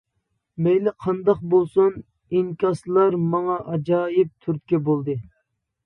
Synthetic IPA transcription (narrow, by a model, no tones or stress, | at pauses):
mejlɪqʰɑnd̪ɑqbolˠsun | iŋkʲɑslˠɑɾmɑŋɑʔɑd͡ʒɑːjɪp̚t̪ʰyɾt̪̚kʲɛbolˠd̪ɨ